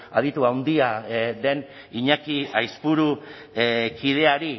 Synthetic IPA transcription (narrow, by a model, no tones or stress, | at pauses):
að̞it̪uawnd̪iaðe̞n | iɲakiajspuɾu | kiðe̞aɾi